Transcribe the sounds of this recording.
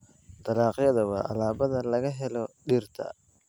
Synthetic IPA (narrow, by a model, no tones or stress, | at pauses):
t̪ɐlɑːqjɐðɐwɑːʔɐ̰laːβɐðɐlɐɣɐɦɛlɔɖiːrt̪ʰɐ̰